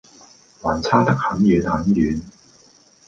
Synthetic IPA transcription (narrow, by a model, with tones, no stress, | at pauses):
waː˨˩nt͡sʰaː˥t̪ɐ˥k̚hɐ˨˧˥njyː˨˧nhɐ˨˥njyː˨˧n